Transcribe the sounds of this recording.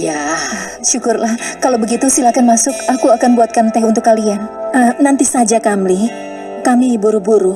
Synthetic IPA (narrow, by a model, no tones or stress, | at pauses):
ja | ʃukʊrlahkalawbəɡit̪usilakanmasʊkakuakanbuat̪̚kant̪ɛɦunt̪ʊkːalianənant̪isad͡ʒakamli | kamibuɾubuɾu